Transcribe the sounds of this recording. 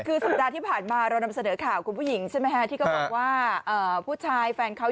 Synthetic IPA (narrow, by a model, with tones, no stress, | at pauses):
kʰɯː˧sa˨˩t̪̚daː˧t̪ʰiː˥˩pʰaː˨˩nmaː˧ɾa˧wna˧msa˧nɤː˩˦kʰaː˨˩wkʰu˧npʰuː˥˩ji˩˦ŋt͡ɕʰa˥˩jma˦˥jkʰa˦˥t̪ʰiː˥˩kʰɔ˥˩bɔː˨˩k̚waː˥˩ʔəː˨˩pʰuː˥˩t͡ɕʰaː˧jfɛː˧nkʰa˦˥